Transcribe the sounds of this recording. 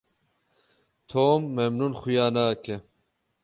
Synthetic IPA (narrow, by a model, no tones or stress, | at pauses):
t̪ʰoːmːemnunxujaːnaːke